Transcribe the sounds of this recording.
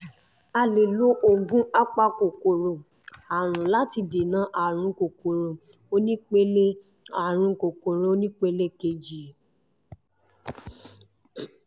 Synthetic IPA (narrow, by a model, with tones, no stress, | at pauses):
a˧le˨lo˨˦ʔo˧ɡũ˦a˦k͡pa˧ko˨ko˨ɾo˨ | a˨ɾ̃ũ˨la˦ti˧de˨nã˨˦ʔa˨ɾ̃ũ˧˦ko˨ko˨ɾo˨ | o˦nĩ˦k͡pe˦le˦ | a˨ɾ̃ũ˧ko˨ko˨ɾo˧o˦nĩ˦k͡pe˦le˦ke˧d͡ʒi˨